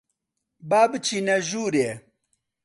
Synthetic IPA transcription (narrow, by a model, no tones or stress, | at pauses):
baːbɨt͡ʃʰiːnɐʒuːɾeː